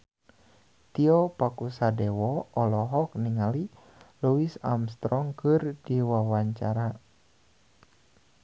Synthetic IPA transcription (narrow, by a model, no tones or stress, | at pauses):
t̪iɔpakusadɛwɔɔlɔɦɔkniŋali | luisa̰mst̪ɾɔŋkɨrdiwawaɲt͡ʃaɾa